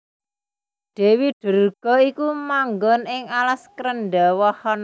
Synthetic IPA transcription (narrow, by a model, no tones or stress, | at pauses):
ɖ̪̥e̤wiɖ̥ə̤rɡ̥ɔ̤ikumaŋɡɔnɪŋalaskɾənɖawɔhɔn